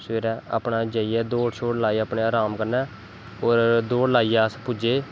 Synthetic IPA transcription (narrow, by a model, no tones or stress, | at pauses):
sʋeːɾɛ̃ːə̰pɳaːd͡ʒəːijɛːd̪oːɽʃʰoːɽlaːiːəpɳeːaːɾaːmkəɾnɛː | oːɾd̪oːɽlaːiːaːspʊd͡ʒeː